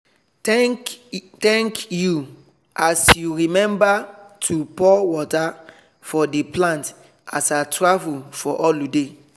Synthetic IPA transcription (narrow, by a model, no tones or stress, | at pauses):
ktɛ̃ŋkju | ʔasjuɹimɛ̃mbatʰupɔwɔta | fɔdeplãnt | asatɹavulfɔʔɔlude